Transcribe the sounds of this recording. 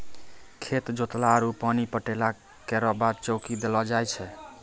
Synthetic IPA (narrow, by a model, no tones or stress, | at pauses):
kʰet̪d͡ʒot̪laəɾupanipəʈela | kɛɾɔbad̪t͡ʃɔkid̪elɔd͡ʒajt͡ʃʰɛ